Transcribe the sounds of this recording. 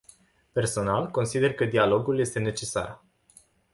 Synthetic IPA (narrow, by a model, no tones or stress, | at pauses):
pe̞rso̞nalko̞nsid̪e̞rkəd̪ialo̞ɡulje̞st̪e̞ne̞t͡ʃe̞sa̰r